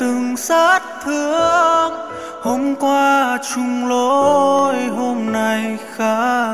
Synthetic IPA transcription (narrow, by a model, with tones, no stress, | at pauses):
t̪ɨ˨˩ŋsaː˦˥t̚t̪ʰɨ˧əŋ | ho˧˥mkwaː˧t͡ɕʊ˧ŋ͡mlo˧˦jɦo˧mna˨˩jxaː˦˥